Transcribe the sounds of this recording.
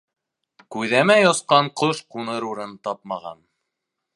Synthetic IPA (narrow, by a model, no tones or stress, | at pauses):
kʉðæmæjosqɑɴqoʃqunɤɾuɾɤnt̪ɑp̚mɑʁɑ̰n